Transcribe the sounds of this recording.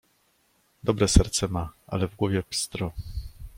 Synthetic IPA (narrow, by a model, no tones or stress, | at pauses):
d̪ɔbɾɛsɛɾt̪sɛmaa̰lɛvɡwɔvʲjɛpst̪ɾɔ